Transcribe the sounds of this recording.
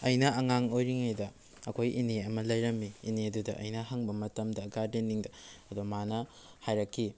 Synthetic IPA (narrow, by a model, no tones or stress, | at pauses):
ɐjnɐɐŋaŋojɾiŋajdɐ | ɐkʰojʔiniɐmɐlɐjɾɐmːiːniɐdudɐʔɐ̰jnɐɦaŋbɐmɐtɐmdɐɡaɾdinːiŋdɐɐdomanɐ | hajɾɐkʰːi